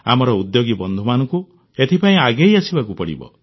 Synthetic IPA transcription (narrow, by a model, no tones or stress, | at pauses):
a̰mɔɾɔud̪joɡibɔnd̪ʱumanɔŋku | et̪ʰipaĩaɡejasibakupɔɽḭbɔ̰